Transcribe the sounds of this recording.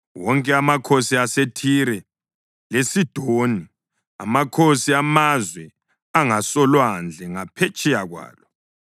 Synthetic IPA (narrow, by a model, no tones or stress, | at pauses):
wɔŋkʼɛamakʰosiasetʰiɾɛ | lesid̥ʱoni | a̰makʰosiamazwɛ | aŋasɔlwand͡ɮʱɛŋapʰet͡ʃʼɛjaɣwa̰ːlɔ